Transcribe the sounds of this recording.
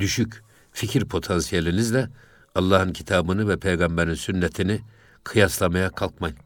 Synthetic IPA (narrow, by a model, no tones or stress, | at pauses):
d̪yʃyc | ficʰiɾpʰo̞t̪ʰansijelʲinizlʲɛ | ɑlˠːaːhɯncʰit̪ʰaːbɯnɯvɛpʰejɡambɛɾinsynːɛt̪ʰini | kʰɯjaslˠamajakʰalˠkmaj